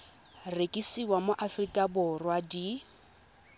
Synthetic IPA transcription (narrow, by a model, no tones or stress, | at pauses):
rekʼisiwamoʔafrikʼabʊrwadi